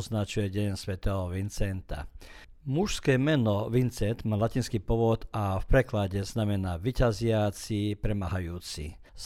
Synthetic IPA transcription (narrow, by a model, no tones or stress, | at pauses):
znat͡ʃujɛɟɛnsʋɛt̪ɛːɦɔʋint͡sɛnt̪a̰ | muʃskɛːmɛnɔʋint͡sɛnt̪maːlaciːnskiːpɔʋɔt̪afpɾɛklaɟɛznamɛnaːʋicazɪat͡sipɾɛmaɦajuːt͡sḭ